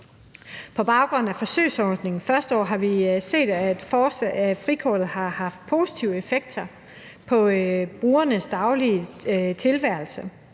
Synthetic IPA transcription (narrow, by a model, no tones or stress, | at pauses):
pʰɒ̽b̥ɑ̈ʊɡ̥ʁɔ̽næfɒ̽sø̰ɪsɒːd̥ne̝ŋn̩fɶɐsd̥əɒ̰ːɦɑ̈ʋise̝̰ːd̥æd̥fɒsfʁikʰɒ̰ːd̥ð̩ˠhɑ̈hɑ̈fd̥̚pʰo̝ːsi̥t͡sʰiʊəefeɡ̥̚d̥ɐ | pʰɒ̽b̥ʁuːɐnəsd̥ɑ̈ʊliət͡sʰe̝lʋæɐ̰lsə